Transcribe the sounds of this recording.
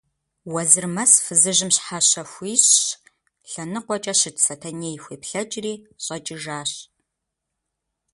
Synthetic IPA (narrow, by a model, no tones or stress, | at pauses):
wɐzɨrmɐsfɨzɨʒɨmɕħaɕɐxʷiːɕ | ɬɐnɨqʷɔt͡ʃʼɐɕɪtʰsɐtʰɐneːjxʷeːpɬɐt͡ʃʼriːɕʼɐt͡ʃʼɪʒaːɕ